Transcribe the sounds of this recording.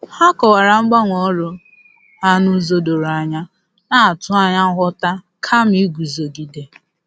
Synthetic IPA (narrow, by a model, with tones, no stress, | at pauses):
ha˦kɔ˨wa˨ɾa˨ŋ͡m̩˦ɡ͡ba˦ŋʷɔ˦ɾʊ˨˦ | a˦nʊ˦zo˦do˨ɾo˨a˨ɲa˦ | na˨tʊ˦a˦ɲa˦ɦʊ˦ta˦ | kʰa˦m̩i˦ɡʷu˨zo˨ɡi˨de˨